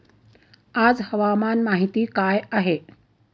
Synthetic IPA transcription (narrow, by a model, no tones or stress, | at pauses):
aːd͡zhəʋamaːnmaɦit̪iːkaːjaɦe